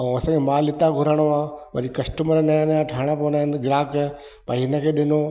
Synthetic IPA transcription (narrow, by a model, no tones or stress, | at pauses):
ɐsãkʰemaːlɪt̪ãɡʱʊɾəɽ̃oaːʋɐ̰ɾikɐsʈəməɾənaənjãʈʰaːɽ̃ãponanɡɪɾaːk | paiɪnəkʰeːɗɪnoː